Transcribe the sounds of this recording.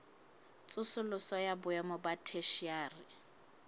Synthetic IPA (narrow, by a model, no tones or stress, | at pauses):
t͡sʼʊsʊlʊsɔjabʊɛmɔbatʰeʃiaːrɪ